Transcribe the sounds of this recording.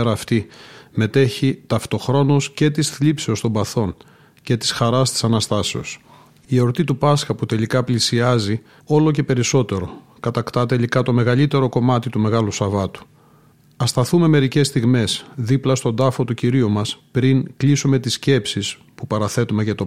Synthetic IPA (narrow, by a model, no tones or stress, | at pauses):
ɾɐːft̪ime̞t̪e̞çit̪ɐft̪o̞xɾo̞nosce̞t̪isθlipseost̪o̞mbɐθo̞ŋ | ce̞t̪i̥sxɐɾɐst̪i̥sɐnɐst̪ɐse̞o̞s | io̞ɾt̪it̪upɐsxɐput̪e̞likɐplisiɐzi | o̞lo̞ce̞pe̞ɾiso̞t̪e̞ɾo̞ | kɐt̪ɐkt̪ɐt̪e̞likɐt̪o̞meɣɐlit̪e̞ɾo̞ko̞mɐt̪it̪ume̞ɣɐlusɐvɐt̪u̥ | ɐst̪ɐθume̞me̞ɾice̞st̪iɣme̞sðiplɐst̪o̞d̪ɐfo̞t̪uciɾiumɐspɾiŋklisume̞t̪isce̞psis | pupɐɾɐθe̞t̪umeʝɐt̪o